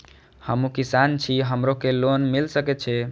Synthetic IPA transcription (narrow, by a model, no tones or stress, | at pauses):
həmũkisant͡ʃʰiɦəmɾokelonmilsəkɛt̪̚t͡ʃʰɛ